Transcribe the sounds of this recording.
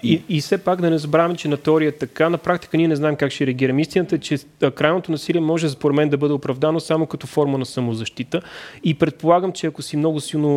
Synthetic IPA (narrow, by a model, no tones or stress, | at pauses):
iisɛpakd̪ɐnɛzɐbɾavəmɛt͡ʃɛnɐt̪ɛɔɾiəɛt̪ɐkanɐpɾakt̪i̥kəniɛnɛznaɛmkakʃɛɾɛɐɡ̟iɾɐmist̪inət̪əɛt͡ʃɛ | kɾajnot̪onɐsiliɛmɔʒɛspoɾɛd̪mɛnd̪ɐbɤd̪ɛopɾɐvd̪anosamokɐt̪ɔfɔɾmənɐsɐmozɐʃt̪it̪əipɾɛt̪̚polˠaɡəmt͡ʃɛɐkosimnɔɡʊsilˠno